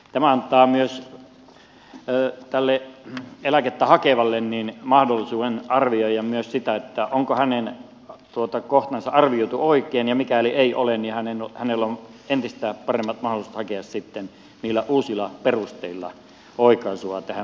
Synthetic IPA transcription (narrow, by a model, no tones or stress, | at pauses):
t̪æmæɑnt̪ˑɑːmyøs | t̪ælːeelæket̪ːæhɑkeʋɑlːenniːnmɑhdolːˑisuːenɑrʋioijˑɑmmyøssit̪æet̪ːæʔoŋkohænen | t̪uot̪ɑkoht̪ɑnsɑʔɑrʋioˑut̪uoˑikˑeːnjɑmikælieiʔolennihænenhænelːoment̪ist̪æːpɑremːɑt̪mɑhˑolisu̥t̪hɑkeɑssit̪ːen | niːlːæʔuːsilːˑɑperust̪eilːɑ̰ | oˑikɑsuɑt̪æhæ